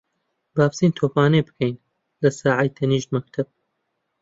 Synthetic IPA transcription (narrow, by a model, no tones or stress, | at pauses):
baːpsiːnt̪ʰoːpaːnɐbɨkʰɐjn | lɐsaːʕajt̪ʰɐniːʃt̪mɐk̚t̪ʰɐb̥̚